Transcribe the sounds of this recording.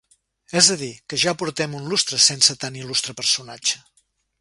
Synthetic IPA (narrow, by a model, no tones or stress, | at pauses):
ɛzðəðikəʒapuɾt̪ɛmunlust̪ɾəsensət̪anilust̪ɾəpəɾsunad͡ʒə